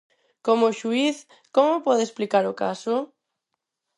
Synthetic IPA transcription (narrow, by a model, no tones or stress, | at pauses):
komoʃuiθ | komopɔðesplikaɾoka̰so